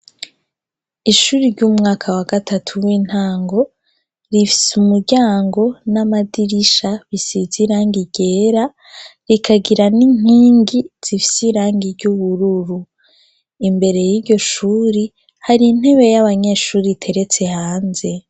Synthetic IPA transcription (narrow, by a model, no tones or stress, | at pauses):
iʃuːɾiɾɟuːmŋaːkʰawaɡatʰatʰuwiːn̥haːŋɡo̞ | ɾifi̥sumuɾɟaːŋɡo̞namadiɾiʃaβisiziɾaːŋɡiɟe̞ːɾa | ɾikʰaɡiɾaniɲ̥iːŋɡiz̥ifi̥siɾaːŋɡiɟuβuɾuɾu | imbe̞ɾe̞jiɾɟo̞ʃuːɾi | haɾiːn̥he̞βe̞jaβaɲe̞ːʃuːɾitʰe̞ɾe̞t͡se̞haːnze̞